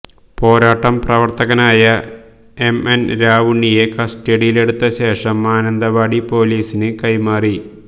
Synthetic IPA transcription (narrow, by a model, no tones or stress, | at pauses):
po̞ːɾaːʈːɐmprɐʋɐrt̪ɐɣɐnaːjɐ | emenɾaːʋuɳːijekɐsʈeɽijile̞ɽut̪ːɐɕe̞ːʂɐmːaːnɐnd̪ɐʋaːɽipo̞ːliːsinɨkɐjmaːri